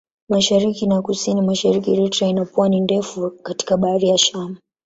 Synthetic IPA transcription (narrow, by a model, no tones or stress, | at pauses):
maʃaɾikinakusinimaʃaɾikiɾitɾainapwanindɛfukati̥kaɓaaðijaʃama